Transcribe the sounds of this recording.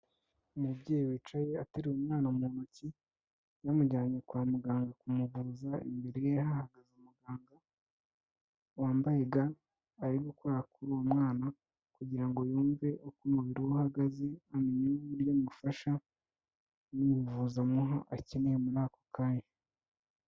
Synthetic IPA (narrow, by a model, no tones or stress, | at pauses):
nibɟeːjiwit͡ʃaje̞ataɾiwumŋaːnamunoci | jamuɟaːɲekwaːmuɡaːŋɡakumuvuːzaḭmbe̞ɾe̞jehahaɡazumuɡaːŋɡa | waːmbajeɡaː | ɾiɡokwakuɾuwomŋaːna | kuɟiɾaŋɡo̞juːɱve̞ʔokumuβiɾowuhaɡaziamiɲuβuɾjomufaʃa | niβuvuːzamuɦaʔacenejemunaːko̥kʰaːɲe